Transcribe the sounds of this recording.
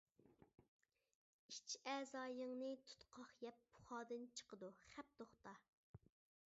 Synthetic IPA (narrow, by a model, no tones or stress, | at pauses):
it͡ʃʰɛzɑːjəŋnɨt̪ʰu̥t̪qʰɑχjɛp̚ːu̥χɑːd̪ɨnt͡ʃʰə̥qəd̪uχɛp̚t̪oχt̪ɑ